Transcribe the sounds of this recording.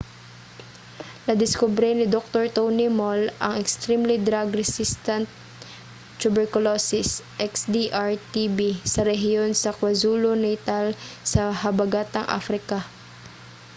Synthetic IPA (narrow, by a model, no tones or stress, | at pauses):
nɐd̪ɪskʊbɾɛnɪd̪ok̚t̪oɹt̪ownimolʔɐ̰ŋɛkst̪ɾimlid̪ɾaɡɾɛsist̪ɐnt̪̚ | t͡ʃːʊbɛɹkʊlosɪsʔɛksd̪iʔaɹt̪ibisɐɾɛɦɪjo̞nsɐkwɐzuːlonɛjt̪alsɐɦɐbɐɡat̪ɐŋʔa̰fɾɪka